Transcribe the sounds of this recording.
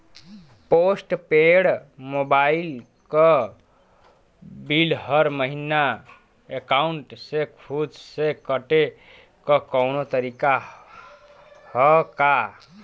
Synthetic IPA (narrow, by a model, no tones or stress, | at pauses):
posʈpeɽmobail | kʌ | bilɦʌɾməɦina | ekauɳʈsekʰud͡ʒsekəʈe | kʌkɔwnot̪əɾika | hʌka